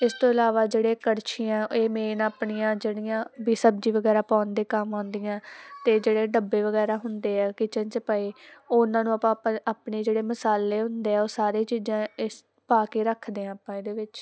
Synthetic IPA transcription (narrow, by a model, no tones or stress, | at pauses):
ɪst̪õːɪlaːʋaːd͡ʒeːɽeːkəɾt͡ʃʰiːãːeːmeːnaːpɳijãːd͡ʒeːɽɪjãːbiːsəb̚d͡ʒiːʋəɡɛːɾaːpãːnd̪eːkəmãːnd̪ijãːt̪eːd͡ʒeːɽeːɖəbːeːʋəɡɛːɾaːɦʊnd̪eːɛːkɪt͡ʃənt͡ʃəpəːiːoːʊnãːnũːapãːaːpɳeːd͡ʒeːɽeːməsaːlːeːɦʊnd̪eːɛːoːsaːɾeːt͡ʃiːzãːɪs | paːkeːɾəkʰd̪eːãːapãːeːd̪eːʋɪt͡ʃ